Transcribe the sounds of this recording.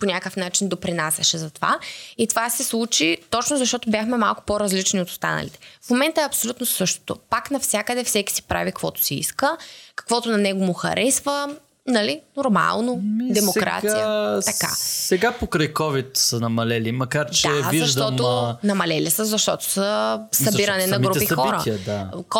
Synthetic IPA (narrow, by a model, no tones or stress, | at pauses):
ponʲakəfnat͡ʃind̪opɾinasɐʃɛzɐt̪ova̰it̪ovasɛslˠut͡ʃit̪ɔt͡ʃnozɐʃt̪ɔt̪ʊbʲjaxmɛmalˠkʊ̥poɾɐzlit͡ʃniot̪o̥st̪a̰nə̰lḭt̪ɛ̥fmomɛnt̪əɛɐpsolʲut̪nosɤʃt̪o̥t̪o̰paknɐfsʲjakəd̪ɛfsɛki̥sipɾa̰vikɐkvɔt̪ʊ̥siḭskəkɐ̥kvɔt̪onɐnɛɡomʊxɐ̰ɾʔɛsvə | nɐlinoɾma̰lˠnoid̪ɛmokɾa̰t̪sijəɐka̰sɛɡapokɾəjkɔvit̪sənɐmɐlɛlimɐkaɾt͡ʃd̪ɛzviɐʒd̪ɔt̪onɐmɐlɛlisəzɐʃt̪ɔt̪o̥səsɐbiɾɐnɛnɐɡɾupixxɔɾə̰tiəd̪ak